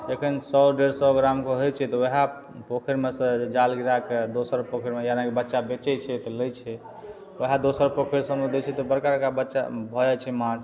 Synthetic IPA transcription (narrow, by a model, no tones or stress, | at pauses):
d͡ʒekʰinsɔɖeɾsɔɡɾamkoɦojt͡ʃʰɛt̪ɔeɦa | pokʰəɾmesə̃d͡ʒalɡiɾaked̪osəɾpokʰəɾmejanakebətːʃabet͡ʃɛt͡ʃʰɛt̪ɔlət͡ʃʰɛ | wəɦad̪osəɾpokʰeɾsə̃med̪et͡ʃʰɛt̪ɔbəɾkakabətːʃa̰bʱɔd͡ʒat͡ʃʰɛmãt͡ʃ